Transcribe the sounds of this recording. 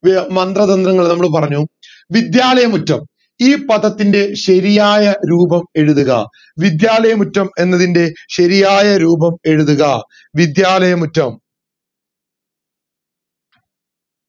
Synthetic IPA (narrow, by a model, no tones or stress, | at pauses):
mɐnd̪rɐðɐnd̪ɾɐŋːɐɭnɐmːɐɭp̬ɐrɐɲːu | ʋid̪jaːlɐjɐmutːɐm | iːpɐðɐt̪ːinde̞ɕɐɾijaːjɐɾuːbɐme̞ɻuðuɣɐ̰ | ʋid̪jaːlɐjɐmutːɐme̞nːɐðinde̞ɕɐɾijaːjɐɾuːbɐme̞ɻuðuɣɐ | ʋid̪jaːlɐjɐmutːɐm